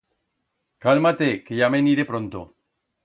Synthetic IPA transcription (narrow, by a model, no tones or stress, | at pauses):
kalmat̪ekeʝameniɾepɾont̪o̰